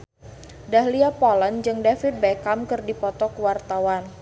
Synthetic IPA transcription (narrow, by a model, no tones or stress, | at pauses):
daɦliapɔland͡ʒɨŋdafit̪̚bɛkamkɨrdipɔt̪ɔkwart̪awan